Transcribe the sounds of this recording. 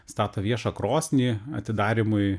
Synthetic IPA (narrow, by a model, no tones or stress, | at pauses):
st̪ɑːt̪oːʋʲiɛʃɐkɾoːsʲnʲiːɐ̰t̪ʲɪd̪ɑːɾʲɪmʊɪ